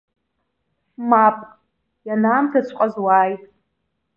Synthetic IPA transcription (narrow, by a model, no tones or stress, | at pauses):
mapʼ | janaːmtʰat͡ɕʷʰʼqʷʼazwaːjtʼ